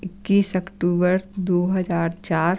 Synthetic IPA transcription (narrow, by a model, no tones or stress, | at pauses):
ɪkːiːsəkʈuːbəɾd̪oːɦəd͡ʒaːɾt͡ʃaːɾ